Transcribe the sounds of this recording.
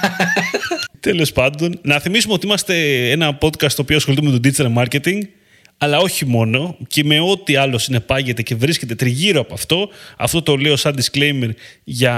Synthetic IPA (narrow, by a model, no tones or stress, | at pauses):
t̪elo̞spɐnd̪o̞nnɐθimisumeot̪iimɐst̪e̞e̞nɐpo̞t̪kɐst̪opioɐsxolit̪umet̪od̪izɐɾmɐɾce̞t̪iŋɡ | ɐlɐo̞çimo̞no̞ce̞me̞o̞t̪iɐlo̞sine̞pɐʝe̞t̪e̞ce̞vɾisce̞t̪e̞t̪ɾiʝiɾoɐpoɐft̪o̞ɐ̰ft̪o̞t̪o̞le̞io̞sɐnd̪iskle̞jme̞ɾʝɐ